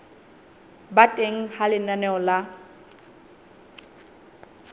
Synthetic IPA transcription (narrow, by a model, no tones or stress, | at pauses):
batʼeŋ̩halɪnanɛɔla